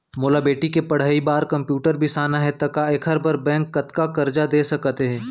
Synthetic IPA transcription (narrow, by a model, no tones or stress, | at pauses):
moːlabeːʈikepɐɽ̤aːibaːɾkɐ̃mpjuːʈəɾbʱisaːnaɦɛt̪ɐkaekʰɐɾbɐɾbɛ̃ːŋkːɐt̪kakɐɾd͡ʒad̪eːsɐkt̪eɦɛ̃ː